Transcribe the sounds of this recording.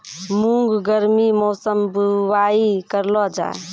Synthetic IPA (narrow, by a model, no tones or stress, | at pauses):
muŋɡɡəɾmimɔːsəmbuwaikəɾlɔd͡ʒa̰